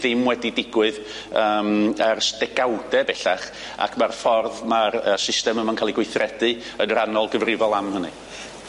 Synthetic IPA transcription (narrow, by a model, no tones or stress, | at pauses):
ðɪmwɛdidɪɡwɨð | əmərstɛɡawdɛbɛɬaχ | a̰kʰmarfɔrðmarəsɪstɛməmankʰalˠiɡwɪθrɛdɨ | ənəɾanɔlˠɡəvrɪvɔlˠamhənɨ̰